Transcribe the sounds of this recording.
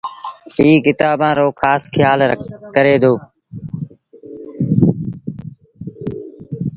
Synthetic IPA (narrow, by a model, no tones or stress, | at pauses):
iːkɪt̪aːbãːɾoːxʰaːskʰɪjaːlkəɾeːd̪oː